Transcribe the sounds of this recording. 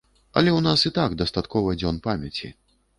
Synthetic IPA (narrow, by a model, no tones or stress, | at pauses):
ɐ̰lʲɛwnasɨt̪aɡd̪ɐst̪at̪kɔvɐd͡zʲɔnpamʲɐt͡sʲḭ